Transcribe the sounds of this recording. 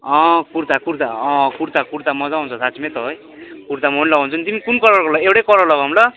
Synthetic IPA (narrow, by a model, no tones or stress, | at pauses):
ʌ̃kuɾt̪akuɾt̪aʌ̃kuɾt̪akuɾt̪amʌd͡zaɦũnt͡sʰʌsʰat͡simet̪ʌɦʌj | kuɾt̪amonlʌɡunt͡sʰʌnit̪imikunkʌɾʌrkolʌewʈekʌɾʌrlʌɡawmlʌ